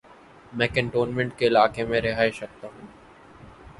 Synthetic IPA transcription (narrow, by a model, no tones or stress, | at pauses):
mɛ̃ːkə̃ɳʈoːnmẽɳʈkeɪlaːkemẽɾɪɦaːeʃɐk̚t̪aːɦũː